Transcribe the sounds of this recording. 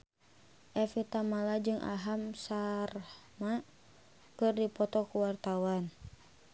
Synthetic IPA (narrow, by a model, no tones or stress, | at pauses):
ʔɛfit̪amalad͡ʒɨŋʔa̰ɦamsarma | kɨrdipɔt̪ɔkuwart̪awan